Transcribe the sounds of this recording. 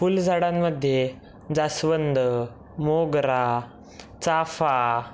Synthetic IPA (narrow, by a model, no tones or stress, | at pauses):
fuld͡zʱaɽamːəd̪ʱje | d͡zasʋənd̪ə | moɡɾa | t͡safa